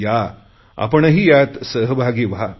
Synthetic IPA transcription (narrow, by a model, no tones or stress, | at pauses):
ja | a̰pəɳɦiːjat̪səɦəbʱaɡiːʋa